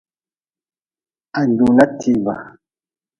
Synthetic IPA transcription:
a˨ndu˨na˦tʰi˦ba˨

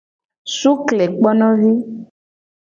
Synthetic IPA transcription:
su˦klɛ˨k͡pɔ˦nɔ̃˦vi˦

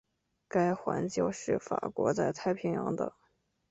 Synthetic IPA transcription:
ka˥ɪxwa̰˧˥nt͡ɕjo˥˧ʊʂɻ̩˥˩fa̰˨˩kwɔ˧˥t͡sa˥˧ɪt̪ʰa˥˩ɪpʰi˧˥ŋjɑ˧˥ŋd̪ə̰˧

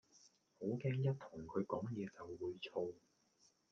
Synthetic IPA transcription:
ho˨˥wkɛː˥ŋjɐ˥t̚t̪ʰʊ˨˩ŋkʰɵ˨˧ɥkɔː˨˥ŋjɛː˨˧t͡sɐ˨wːuː˨˧jt͡sʰo˧w

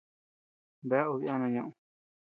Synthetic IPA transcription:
be˧˦a˦u˧βi˦a˦˧nã˧ɲã˧ʔũ˧

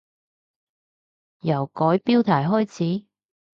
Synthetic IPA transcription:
jɐ˨˩wkɔː˨˥jpiː˥wt̪ʰaː˨˩jɦɔː˥jt͡sʰiː˨˥

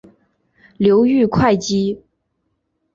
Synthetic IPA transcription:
ljo˧˥ʊy˥˧kʰwa˥˩ɪt͡ɕi˥

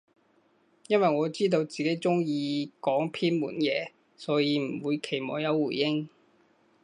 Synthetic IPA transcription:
jɐ˥nwɐ˨jŋɔː˨˧t͡siː˥t̪̬o˧wt͡siː˨ke˨˥jt͡sʊ˥ŋjiː˧kɔː˨˥ŋpʰiː˥nmṵː˨˩njɛː˨˧ | sɔː˨˥jiː˧m̩˨˩wuː˨˧jkʰe˨˩jmɔː˨˧jɐ˨˧wːuː˨˩jjɪ˥ŋ

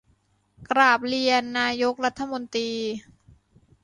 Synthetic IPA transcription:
kɾaː˨˩p̚li˧ənːaː˧jo˦˥k̚ɾa˦˥t̪ʰːa˧mo˧nt̪ɾiː˧

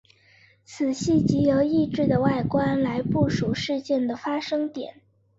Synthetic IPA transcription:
t͡sʰɹ̩˨˩ɕi˥˩t͡ɕi˧˥jo˧˥ʊi˥˧ʈ͡ʂɻ̩˥˩d̪ə˩wa˥˩ɪkwa˥nla˧˥ɪpu˥˩ʂu˨˥ʂɻ̩˥˧t͡ɕjɛ˥˩nd̪ə˩fa˥ʂɤ˥ŋt̪jɛ̰˨˩˦n

